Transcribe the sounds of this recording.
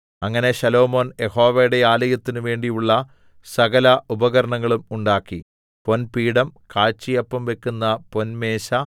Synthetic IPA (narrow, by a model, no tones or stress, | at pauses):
ɐŋːɐne̞ɕɐlo̞ːmo̞ːnje̞ho̞ːʋejɽeaːlɐjɐt̪ːinuʋe̞ːɳɖijuɭːɐ | sɐɣɐlɐʔubɐɣɐɾɐɳɐŋːɐɭumuɳɖaːkːi | ponpiːɽɐmkaːɻt͡ɕːijɐpːɐmʋe̞kːunːɐpo̞nme̞ːɕɐ